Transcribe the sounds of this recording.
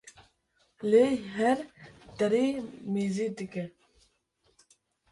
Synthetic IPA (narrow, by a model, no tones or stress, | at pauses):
leːɦɛɾd̪ɐɾiːmiːziːd̪ikɛ